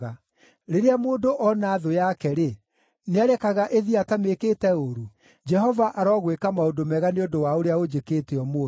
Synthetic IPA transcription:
ɣa | ɾeɾeamoːdoʔɔnaːðojakɛɾe | neaɾɛkaɣaʔeðiatameketɛoɾu | d͡ʒɛɦɔvaʔaɾɔːɣwekamaodomɛɣaneodowaoɾeaod͡ʒekeːteɔmo

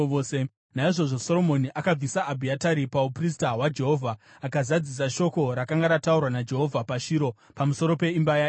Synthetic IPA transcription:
se | naiʐo̞ʐo̞so̞ɾo̞mo̞niʔakab͡visaʔːbʱiataɾipaupris̬taɦwad͡ʒe̞ɦo̞vʱaː | kazad͡zis̬aʃo̞ko̞ɾakaŋɡaɾataurwanad͡ʒe̞ɦo̞vʱapaʃiɾo̞ | pamuso̞ɾo̞pe̞imbaja

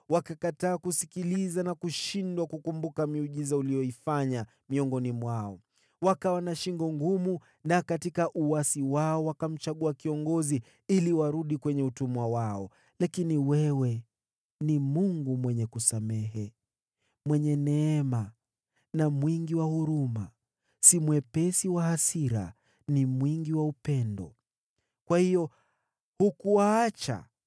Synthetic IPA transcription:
wakakataːkusikilizanakuʃindwakukumbukamiuʄizaulijɔifaɲa | miɔŋɡɔnimwaɔ | wakawanaʃiŋɡɔŋɡumu | nakatikaʔuasiwaɔwakam̩t͡ʃaɠuakiɔŋɡɔzi | iliwaɾuɗikwɛɲɛutumwawaɔ | lakiniwɛwɛ | nimuŋɡumwɛɲɛkusamɛɦɛ | mwɛɲɛnɛɛma | namwiŋɡiwahuɾuma | simwɛpɛsiwahasiɾa̰ | nimwiŋɡiwaupɛndɔ̰ | kwahijɔ | hukuwaat͡ʃa̰

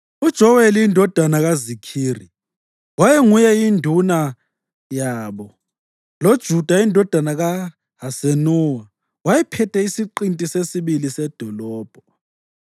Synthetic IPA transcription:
ud̥ʒ̥ʱɔweliindʱɔd̥ʱanaɣazikʰiːri | wajɛŋujɛindʱuna | jaːβɔ | lod̥ʒ̥ʱud̥ʱaindʱɔd̥ʱanaɣa | ɦasenuːwa | wajɛpʰɛtʰʼɛisiǃintʼisesiɓilisɛd̥ʱɔlɔːb̥ʱɔ

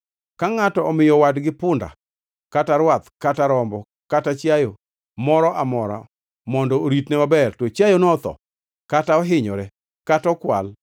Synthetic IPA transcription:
kaŋatɔɔmɪjɔwadɡɪpʊnda̰ | kataɾwat̪kataɾɔmbɔ | katat͡ʃjajo | mɔɾɔʔamɔɾa̰ | mɔndɔoɾitnɛmabɛrtɔt͡ʃjajonɔɔt̪ɔ̰ | kataɔɦɪɲɔɾɛ | katɔkwa̰l

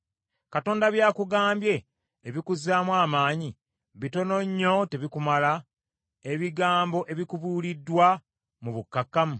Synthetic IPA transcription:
kato̞ːndaβjaːkuɡaːmbje̞ː | βikuzaːmwaːmaːɲi | βito̞no̞ɲːo̞teβikumala | eβiɡaːmbo̞ʔe̞βikuβuːlidːwa | muβukːakːamu

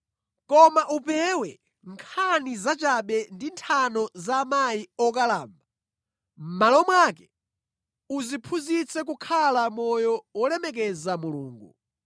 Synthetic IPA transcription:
kɔmaʔupɛwɛ | ŋkʰanizat͡ʃaɓɛndintʰanɔzaːmajiɔk̬alaːmba | m̩malɔmwaːkɛ | uzipʰuzit͡sɛk̬ukʰalamɔjɔwɔlɛmɛk̬ɛzamulṵːŋɡu

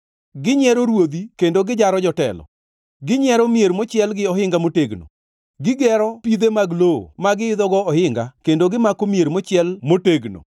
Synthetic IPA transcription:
ɡɪɲɛɾoɾwod̪ikendoɡɪd͡ʒaɾɔd͡ʒɔtɛ̰lɔ̰ | ɡɪɲɛɾomjeɾmot͡ʃɪɛlɡɪɔhɪŋɡamoteɡno̰ | ɡɪɡɛɾɔpid̪emaɡloo̰maɡɪɪd̪ɔɡɔɔhɪŋɡakendoɡɪmakomieɾmot͡ʃɪɛlmoteɡno̰

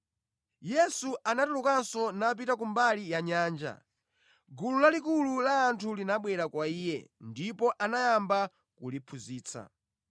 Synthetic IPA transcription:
jɛsuʔanatulukansɔnap̬itak̬umbalijaɲaːnd͡ʒa̰ | ɡululalikululaːntʰulinaɓwɛɾakwaiːjɛ̰ndipɔʔanajamba | kulipʰuziːt͡sʰa̰

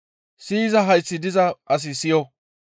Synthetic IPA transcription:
siːzɐɦɐjsːɪd̪ɪzɐʔɐs̬ɪsɪjɔ

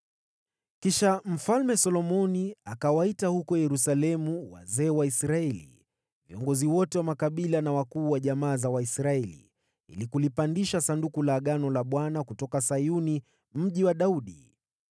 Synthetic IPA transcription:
kiʃam̩falmɛsɔlɔmɔniakawaitahukɔjɛɾusalɛmuwa̰zɛːwaisɾaɛlḭ | viɔ̰ŋɡɔziwɔtɛwamakaɓilanawakuːwaʄamaːzawaisɾaɛlḭ | ḭlikulipandiʃasandukulaɠanɔlaɓwanakutɔkasajuni | m̩ʄiwaɗauɗi

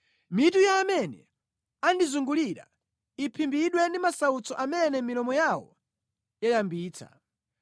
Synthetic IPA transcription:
mitujaːmɛnɛ | andizuŋɡuliɾa̰ | ipʰimbiɗwɛndimasaut͡sɔʔamɛnɛmilɔmɔjawɔ̰ | jajambiːt͡sʰa̰

